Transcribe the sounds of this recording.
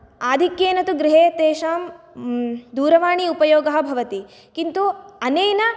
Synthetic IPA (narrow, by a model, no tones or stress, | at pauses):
aːd̪ʱikjeːnɐt̪uɡɾiɦeːt̪eːʃaːm | d̪uːɾɐʋaːɳiupɐjoːɡɐɦɐ̆bʱɐʋɐt̪i | kint̪uɐneːjnɐ